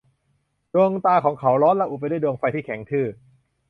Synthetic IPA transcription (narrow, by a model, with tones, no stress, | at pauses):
du˧əŋt̪aː˧kʰɔː˩˦ŋkʰa˩˦wɾɔː˦˥nlɛ˦˥ʔu˨˩pa˧jdjdu˧ŋfa˧jt̪ʰiː˥˩kʰɛ˩˦ŋt̪ʰɯː˥˩